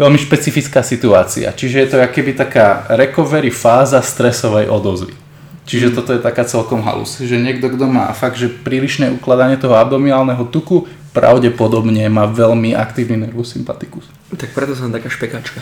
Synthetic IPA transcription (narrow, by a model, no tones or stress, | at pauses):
ʋɛlmiʃpɛt͡sifit͡skaːsit̪uaːt͡sḭa̰t͡ʃiʒɛjɛt̪ɔkɛbit̪akaːɾɛkɔʋɛɾifaːzast̪ɾɛsɔʋɛjʔɔd̪ɔzʋḭ | t͡ʃiʒɛt̪ɔt̪ɔjɛt̪akaːt͡sɛlkɔmɦa̰lṵsʒɛɲɪɛɡd̪ɔɡd̪ɔma̰ːfaɡ̚d̪ʒɛpɾiːliʃnɛʔuklad̪aɲɪɛt̪ɔɦɔabd̪ɔmialnɛɦɔt̪uku | pɾa̰ʊɟɛpɔd̪ɔbɲɛmaːʋɛʎmiʔa̰kt̪iːʋninɛɾʋusimpat̪i̥kus | t̪ak̚pɾɛt̪ɔs̬aat̪akaːʃpɛkaːt͡ʃka